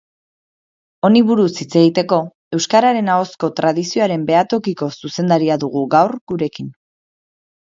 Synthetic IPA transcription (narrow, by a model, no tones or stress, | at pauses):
o̞niβuɾusit͡se̞ɣ̞it̪e̞ko̞ | e̞wskaɾaɾe̞nao̞sko̞t̪ɾaðisio̞aɾe̞mbe̞at̪o̞kiko̞suse̞nd̪aɾiaðuɣ̞uɣawɾɡuɾe̞kin